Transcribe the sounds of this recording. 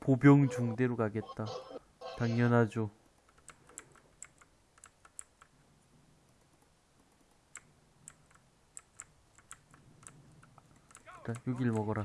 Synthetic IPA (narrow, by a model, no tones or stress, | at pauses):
pobjʌŋt͡ɕuŋdeɾoɡaɡe̞t̚t͈a | taŋɲʌnɦad͡ʑo | ajoɡiɭmʌɡʌɾa